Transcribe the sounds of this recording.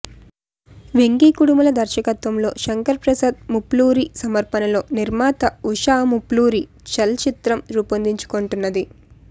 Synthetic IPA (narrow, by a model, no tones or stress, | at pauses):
ʋeŋɡiːkuɽumɐlɐd̪ʱɐɾʃɐkɐt̪ʋɐmlo̞ːʃɐŋkɐɾpɾɐsɐːd̪̚mupluːɾisɐmɐɾpɐnɐlo̞ːniɾmaːt̪ɐuʂaːmupluːɾi | t͡ʃɐlt͡ʃit̪ɾɐmɾuːpɐnd̪iɲt͡ʃu̥koɳʈunːɐd̪i